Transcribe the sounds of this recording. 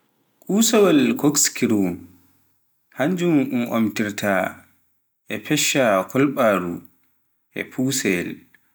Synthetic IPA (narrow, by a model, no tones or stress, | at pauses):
kʼuːsawalkokskiɾum | haɲd͡ʒumumʔo̰mtiɾtʰa | ʔɛpʰɛʃːakʰɔlɓaːɾṵ | ʔɛ̰pʰuːsɛl